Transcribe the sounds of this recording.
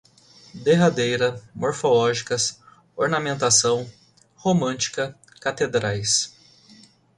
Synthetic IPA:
d̪eɦad̪ejɾɐmoɾfolɔʒikɐs | oɾnamẽnt̪asɐ̃w̃ | homɐ̃t͡ʃi̥kɐ | kat̪ed̪ɾajs

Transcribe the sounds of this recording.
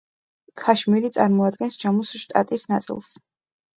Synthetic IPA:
kʰaʃmiɾit̪sʼaɾmɔad̪̚ɡɛnsd͡ʒamusʃt̪ʼa̰t̪ʼisnat̪sʼḭlˠs

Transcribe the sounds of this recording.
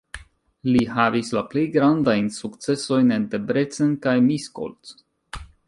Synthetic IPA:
liɦavislaple̞jɡɾandajnsukt͡se̞so̞jnent̪e̞bɾe̞t͡senkajmisko̰lt

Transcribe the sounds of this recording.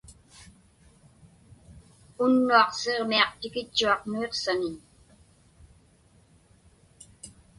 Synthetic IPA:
ʊnːuɑqse̞ʁmiɑqt̪ɪkɪt͡ʃːuɑqnueqsanɪɲ

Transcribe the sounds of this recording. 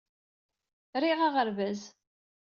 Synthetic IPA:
ɾiʁaʁəɾvæz

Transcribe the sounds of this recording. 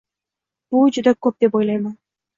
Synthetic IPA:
b̥ud͡ʒyd̪akɵp̚d̪e̞pojlˠɑjmɑn

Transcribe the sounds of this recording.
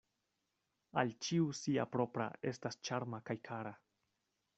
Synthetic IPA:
alt͡ʃiusia̰pɾo̞pɾa̰e̞stast͡ʃaɾmakajkʰaɾa

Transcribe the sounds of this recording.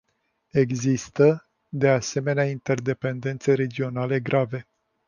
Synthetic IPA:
e̞ɡzist̪ə | d̪e̞ase̞me̞neaint̪e̞rd̪e̞pe̞nd̪e̞nt̪seɾe̞d͡ʒio̞nale̞ɡɾʔave̞

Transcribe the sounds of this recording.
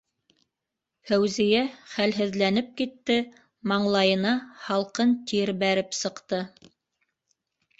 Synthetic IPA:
hæwzijæχælɦɘ̆ðlænɘp̚kit̪ːɘ | mɑɴlˠɑjɤ̆nɑhɑlˠqɤnt̪iɘɾbæɾɘpsɤ̆qt̪ɤ

